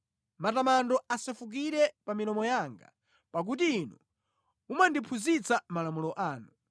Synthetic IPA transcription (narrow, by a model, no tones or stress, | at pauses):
matamandɔasɛfuk̬iɾɛpamilɔmɔjaŋɡa̰ | pak̬utiːnṵ | umandipʰuzit͡samalamulɔʔaːnu